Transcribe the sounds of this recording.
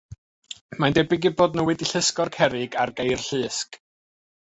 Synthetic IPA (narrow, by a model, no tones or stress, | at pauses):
mandɛbɪɡiboːdnəwɛdiɬəskɔrkʰɛɾɪɡarɡejrɬɨːsk